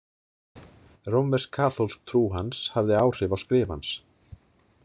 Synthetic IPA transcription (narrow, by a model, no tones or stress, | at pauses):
rowmvɛrskʰaːθolsk̚t̪ʰɾuːɦanshavðɪaːwr̥ɪvawskɾɪːva̰ns